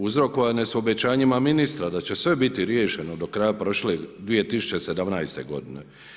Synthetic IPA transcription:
uzɾo̞koʋaneso̞be̞t͡ɕaːɲimaminist̪ɾad̪at͡ɕe̞sʋe̞bit̪iɾjeʃe̞no̞d̪o̞kɾajapɾo̞ʃled̪ʋije̞t̪isu̥t͡ɕe̞se̞d̪amnajst̪e̞̰ɡo̞d̪ine̞̰

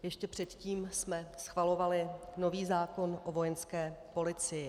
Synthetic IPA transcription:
jɛʃcɛpr̝̥ɛt̪ciːmsmɛsxvalovalɪno̞viːzaːko̞nʔovo̞jɛnskɛːpo̞lɪt͡sɪjɪ

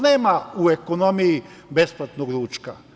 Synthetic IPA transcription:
neːmauekonomiji | besplˠat̪noɡɾuːt͡ʃka

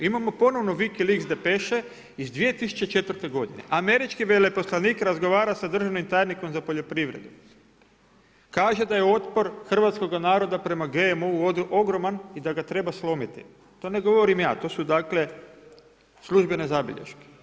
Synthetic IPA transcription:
imamo̞po̞no̞ʋno̞ʋikiliɡzd̪epe̞ʃe | izd̪ʋije̞t̪isu̥t͡ʃet͡ʃe̞t̪ʋr̩t̪e̞ɡo̞d̪ine̞̰ʔame̞ɾit͡ʃkiʋelepo̞slˠaniːkɾazɡo̞ʋaːɾasad̪r̩ʒaʋnimt̪aːjniko̞mzapo̞ʎo̞pɾiʋɾe̞̰d̪u | kaːʒe̞d̪aje̞o̞t̪po̞ɾxr̩ʋat̪sko̞ɡanaːɾo̞d̪apɾe̞maɡe̞mouod̪ʔo̞ɡɾo̞manid̪aɡat̪ɾe̞baslˠo̞mit̪ḭ | t̪o̞ːne̞ɡo̞ʋo̞ɾimjaːt̪o̞ːsud̪akle̞ | slˠuʒbe̞ne̞zabḭʎḛʃke̥

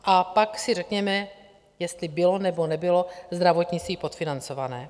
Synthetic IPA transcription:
ʔapaksɪrɛkɲɛmɛ | jɛst̪lɪbɪlo̞nɛbo̞nɛbɪlo̞zd̪ɾavo̞t̪ɲɪt͡st̪viːpo̞t̪fɪnant͡so̞vanɛː

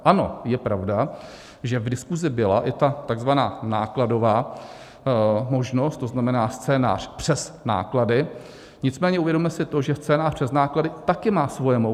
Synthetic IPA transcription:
ʔano̞̰jɛpɾavda | ʒɛvdɪskuzɪbɪla̰ʔɪt̪at̪aɡzvanaːnaːklado̞vaː | mo̞ʒno̞st̪oznamɛnaːst̪t͡sɛːna̰ːr̝̥pr̥ɛsna̰ːkladɪ | ɲɪt͡smɛːɲɛʔuvjɛdɾommɛsɪt̪o̞ʒɛst͡sɛːnaːprɛznaːkladɪt̪akɪmaːsvojɛmo

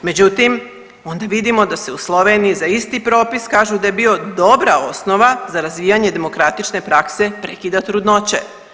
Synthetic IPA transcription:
me̞d͡ʑut̪im | o̞nd̪aʋid̪imo̞d̪ase̞uslˠo̞ʋe̞nijizaist̪ipɾo̞ːpiskaːʒud̪aje̞bio̞d̪o̞bɾao̞sno̞ʋazaɾazʋijaɲe̞d̪e̞mo̞kɾat̪it͡ʃne̞pɾakse̞pɾe̞kid̪at̪ɾud̪no̞t͡ɕe̞̰

